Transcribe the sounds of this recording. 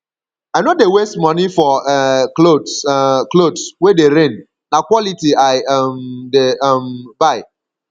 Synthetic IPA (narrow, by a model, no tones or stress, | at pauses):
aɪnodewestmɔnifɔɛklodsklodswedeɾẽn | nakwɔlitiaɪmdembaɪ